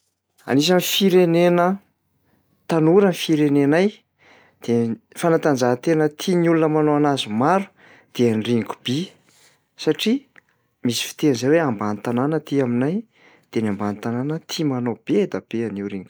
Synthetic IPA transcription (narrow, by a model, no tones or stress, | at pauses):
a̰nis̬anifiɾenenə | t̪anuɾənifiɾenenaj | d̪̥efanat̪and͡zaɦt̪enət̪ʰinulunəmanoanazumaɾu̥ | d̪̥eaniriŋku̥b̥i | saʈ͡ʂi | misi̥fi̥t̪enzajweambanit̪ananət̪iaminaj | d̪̥enambanit̪ananət̪ʰimanob̥ed̪ab̥eaniwɾiŋk